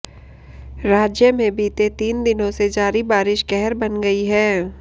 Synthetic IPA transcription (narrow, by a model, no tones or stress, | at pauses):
ɾaːd͡ʒjəmẽbiːt̪et̪iːnd̪ɪnõsed͡ʒaːɾibaːɾɪʃkɛɦɛɾbɐnɡɐiɦɛː